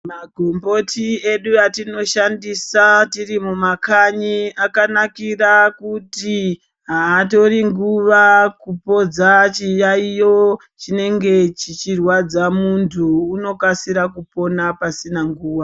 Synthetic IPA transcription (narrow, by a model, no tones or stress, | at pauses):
maɡʱo̞mbo̞tʰie̞ɗuatino̞ʃandisatirimumakaɲiakanakirakuti | ɦaːto̞riŋɡuʋakupo̞d͡zat͡ʃijaijo | t͡ʃine̞ŋɡe̞t͡ʃit͡ʃirwad͡zamuntʰuːno̞kasiɾakupo̞napasinaŋɡuːwa